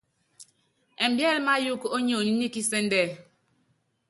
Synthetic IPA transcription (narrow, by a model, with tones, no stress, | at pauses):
ɛ˨m̩˨bjɛ˦lma˦ju˦ko˦ɲo˨ni˦ni˦ki˦sɛ˦n˦dɛ˦˨